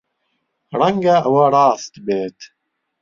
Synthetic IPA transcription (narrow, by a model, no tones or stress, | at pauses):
ɾɐŋɡaəwaɾˤɑːst̪beːt̪ʰ